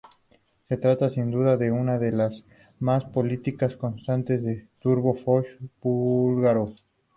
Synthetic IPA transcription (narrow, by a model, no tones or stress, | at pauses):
se̞t̪ɾat̪asind̪uðaðe̞unaðe̞las | maspo̞lit̪ikasko̞nst̪ant̪e̞zðe̞t̪uɾβofoʃb̥ulɣaɾo